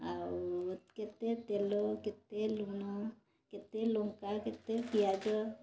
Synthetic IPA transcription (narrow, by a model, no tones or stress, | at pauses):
awket̪et̪eloket̪eluno | ket̪eloŋkaket̪epijad͡ʒɔ